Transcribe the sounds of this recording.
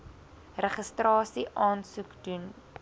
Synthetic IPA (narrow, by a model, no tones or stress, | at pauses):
rəχəstrɑːsiʔɑːnsukdun